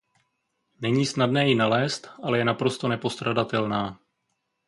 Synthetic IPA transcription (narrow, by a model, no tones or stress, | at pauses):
nɛɲiːsnadnɛːjɪnalɛːst̪ʔalɛjɛnapɾo̞st̪o̞nɛpo̞st̪ɾadat̪ɛlnaː